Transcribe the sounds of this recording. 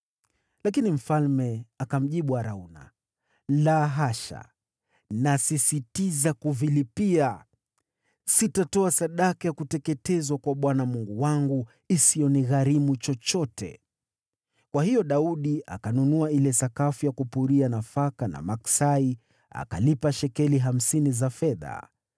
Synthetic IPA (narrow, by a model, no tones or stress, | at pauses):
lakinim̩falmɛakam̩ʄiɓuaɾauna̰ | laɦaʃa̰ | nasisitizakuvilipia | sitatɔasaɗakajakutɛkɛtɛzwakwaɓwanamuŋɡuwaŋɡu | isijɔniɣaɾimut͡ʃɔt͡ʃɔtʰɛ̰ | kwahijɔɗauɗiʔa̰kanunuailɛsakafujakupuɾianafakana̰maksai | a̰ka̰lipaʃɛkɛliɦam̩sinizafɛða̰